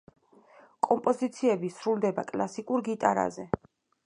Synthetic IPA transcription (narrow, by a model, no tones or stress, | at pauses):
kʼɔmpʼɔzit̪sʰiɛbisɾulˠd̪ɛbakʼlˠasikʼuɾɡit̪ʼaɾa̰zɛ